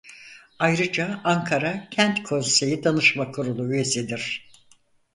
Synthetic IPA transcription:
ajɾɯd͡ʒaaŋkʰaɾacʰænt̪kʰo̞nse̞jid̪anɯʃmakʰuɾulˠuyesid̪iɾ̥

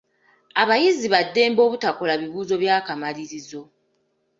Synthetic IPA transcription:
aβajiziβadːe̞ːmbo̞ːβutako̞laβiβuːzo̞βjaːkamaliɾizo̞

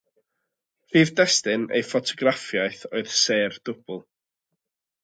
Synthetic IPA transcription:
viːvdɛstɨnḛjfɔtʰɔɡrafjaɨθoɨð̥seːrd̥ʊb̥ʊlˠ

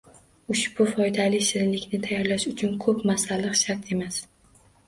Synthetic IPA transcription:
ʊʃb̥ʊfɒjd̪alɪsɪɾlɪkʲnɪt̪ʰajɒɾlaʃʊt͡ʃʰʊnkʰɵpmasalɨqʃaɾt̪ʰe̞mas

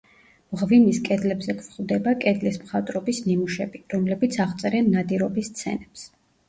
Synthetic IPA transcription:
vʁvimiskʼɛd̪lɛbzɛkʰvχʼvˠd̪ɛbakʼɛd̪lismχat̪ʼɾɔbisnimuʃɛbiɾɔmlɛbit̪sʰaʁt̪sʼɛɾɛnːad̪iɾɔbist̪sʰɛ̰nɛps

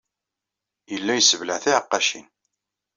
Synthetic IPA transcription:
jəlːæjəsəvlæʕθiʕəqːɑʃḭn

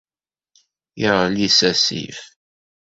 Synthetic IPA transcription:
jiʁəlisæsḭf

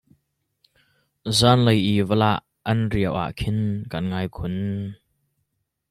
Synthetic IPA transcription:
zaːnləjʔiːvəla̰ʔːɐnriəwʔa̰ʔkʰɪnkanŋaːjkʰʊn

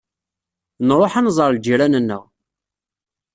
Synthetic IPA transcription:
nɾˤoħanzˤəɾˤld͡ʒiɾænənːə̰ʁ

